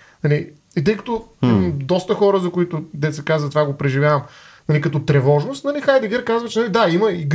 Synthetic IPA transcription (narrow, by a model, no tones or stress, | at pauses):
nɐli | it̪əjkɐ̥t̪oimmd̪ɔst̪əxɔɾəzɐkʊit̪ʊd̪ɛt̪sɛkazvɐt̪vaɡopɾɛʒivʲjavɐmnɐlikɐt̪ɔt̪ɾɛvɔʒnost̪nɐlixajd̪ɛɡɛɾkazvət͡ʃɛnɐlid̪aiməiɡ